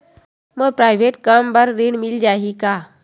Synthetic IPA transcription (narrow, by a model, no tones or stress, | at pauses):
məɡ̚pɾajʋeʈkambəɾːiɳmild͡ʑaɦika